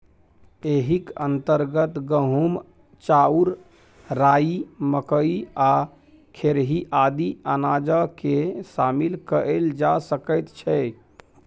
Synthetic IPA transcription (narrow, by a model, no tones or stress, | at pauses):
eɦikənt̪əɾɡət̪ɡəɦum | t͡ʃauɾ | ɾaiməkəia | kʰeɾɦiʔad̪ianad͡ʒəkesamilkəəld͡ʒasəkəɪt̪t͡ʃʰɛ